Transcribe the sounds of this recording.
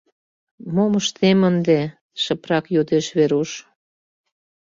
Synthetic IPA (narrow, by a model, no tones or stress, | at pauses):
moməʃt̪emənd̪e | ʃə̆pɾɑkjod̪eʃβeɾuʃ